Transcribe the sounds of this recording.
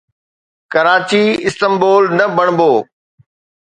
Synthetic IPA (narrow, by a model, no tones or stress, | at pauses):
kɐɾaːt͡ɕiɪst̪əmboːlnɐbɐɽ̃boː